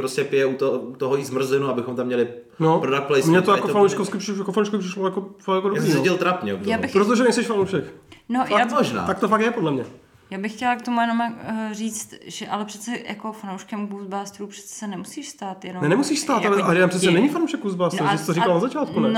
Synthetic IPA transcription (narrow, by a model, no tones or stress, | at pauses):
pɾoscɛpɪjɛut̪out̪oɦojiːzmr̩zɪnuabɪxomt̪amɲɛlɪ | nopɾodaplɛjmɲɛt̪ojakofanowʃkofskɪpɪjakofanowʃkoɪprɪʃlojakofakjakodosiːɪlt̪ɾapɲɛoɡjaːbɪxpɾot̪̬oʒɛnɛjsɛʃfanowʃɛknojfaamoʒna̰ːt̪ak̚t̪ofakjɛpodlɛmɲɛ | jaːbɪxːcɛlak̚t̪omujɛnomariːt͡st̪ʒ̥ɛʔalɛpr̥ɛ̥t̪t͡sɛja̰kofanowʃkɛmkuzbaːst̪ɾuːpr̥ɛ̥t̪t͡sɛ̥sɛnɛmusiːʃst̪aːt̪jɛnonɛnɛmusiːʃst̪aːt̪alɛaɪt̪ampsɛtt͡sːɛnɛɲɪfanowʃɛkːuzbaːsɾʒɛsɪt̪oɾikkalnazat͡ʃaːt̪kunɛ